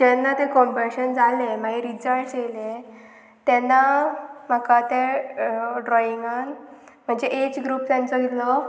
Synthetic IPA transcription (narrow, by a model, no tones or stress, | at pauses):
d͡ʑɛnːat̪ẽkɔmbəɾɕənd͡zalẽm̤aɡiɾid͡zəsele | t̪ɛnːam̤əkat̪e | ɖɾɔiŋɡan | m̤əɳd͡ʑeʔet͡ɕɡɾuːp̚t̪ãnt͡sɔɡitlɔ